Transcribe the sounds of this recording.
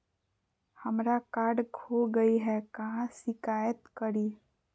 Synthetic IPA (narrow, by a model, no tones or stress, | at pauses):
həmɾakaːɾɖɡʱoɡəiɦɛkɐɦãsɪkaːjət̪kəɾiː